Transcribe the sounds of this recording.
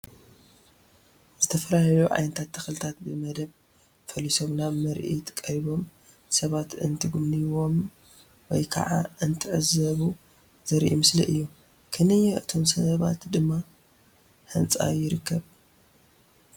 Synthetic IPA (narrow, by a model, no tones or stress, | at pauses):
z̥ɨt̪ʰɐfɐlajuʕa̰jnɐt̪ʰat̪ʰːɐxlɨt̪ʰat̪̚bɨmɐd̪ɐβ | fɐlisomnamɐɾʔḭt̪kʼɐɾiβo̞m | sɐβat̪ɨ̰nt̪ʰɨɡumniwo̞m | wɔjkʰɐ̰ʕa̰ʔɨnt̪ʰɨʕɨzɐβu | zɐɾʔḭmɨslḭʔɨjːu | kʰɨnɨjɛʔɨt̪ʰo̞msɐβa̰t̪d̪ɨmːa | ħɨnt͡sʼa̰jɪɾɨkʰːɐβ